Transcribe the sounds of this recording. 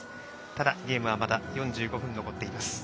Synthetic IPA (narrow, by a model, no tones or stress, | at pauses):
t̪ad̪aɡʲe̞ːmɯ̟βamat̪ajõɲ̟d͡ʑɨːɡo̞ɸɯ̟̃nːo̞ko̞t̪ːe̞imasɨ̥